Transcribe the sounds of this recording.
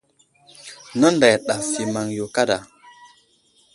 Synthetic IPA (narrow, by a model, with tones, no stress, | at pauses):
nə˦nda˨jɗa˨si˨ma˨ŋjo˨ka˦da˨